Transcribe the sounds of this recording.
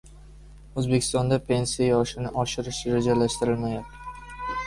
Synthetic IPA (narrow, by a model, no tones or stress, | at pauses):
ɵzbekʰʲɪ̥st̪ɒnd̪apʰe̞nsijajɒʃɪnɪʔɒʃɪɾɪʃɾed͡ʒalaʃt̪ɪɾɪlmajap̪̚ɪ